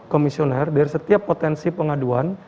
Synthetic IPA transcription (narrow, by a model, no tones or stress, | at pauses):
komisionɛrdaɾisət̪iapːot̪ɛnsipəŋaduan